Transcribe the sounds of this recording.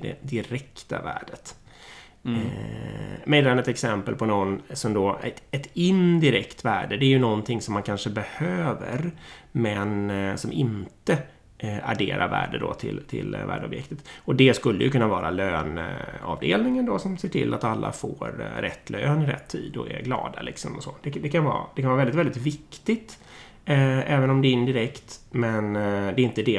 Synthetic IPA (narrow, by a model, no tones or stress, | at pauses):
d̪ɛ̰d̪ɪɾɛkt̪a̰væ̰ːɖət̪ | mɛjlanɛt̪ɛksɛmpəlpʰɔnɔnːsɔmd̪ɔæɛt̪ɪnd̪ɪɾɛkt̪væːɖəd̪ɛæɾjɵnɔnt̪ʰɪŋsɔmːankʰanʂəbɛhøːvə̰ɾmɛnsɔmʔɪnt̪ə | aɖeːɾaɾvæ̰ːɖəd̪ɔt̪ʰɪlt̪ʰɪ̰lvæ̰ːɖəɔ̰bjɛ̰kt̪ət̪ɔd̪ɛskɵlːəjɵkɵnːavɑːɾaløːnɑvd̪ḛːlnɪŋənd̪ɔsɔmseːʈʰɪ̰lʔat̪alːa̰foːɾɾɛt̪ːløːnɪɾɛ̰t̪ʰːiːd̪ɔɛ̰ɡlɑːd̪alʔɪksɔmɔsod̪̥ɛd̪ɛkanvɑ̰ːd̪ɛkʰanvɑːvɛld̪ɪt̪vɛld̪ɪt̪vɪkt̪ɪɡt̪ | ɛːvənɔmd̪ɛɪnd̪ɪɾɛkt̪mɛnd̪ɛɪnt̪əd̪ɛ